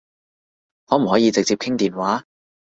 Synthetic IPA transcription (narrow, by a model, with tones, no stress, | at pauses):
hɔː˨˥m̩˨˩hɔː˨˥jiː˨˧t͡sɪ˨k̚t͡siː˧p̚kʰɪ˥ŋt̪iː˨nwaː˨˥